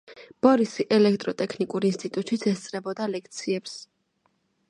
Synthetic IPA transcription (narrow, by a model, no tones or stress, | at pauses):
b̥ɔɾisiʔɛlɛkt̪ʼɾɔt̪ʼɛkʰnikʼuɾinst̪ʼit̪ʼut̪ʃit̪sʰɛst̪sʼɾɛbɔd̪alɛkʰt̪sʰiɛps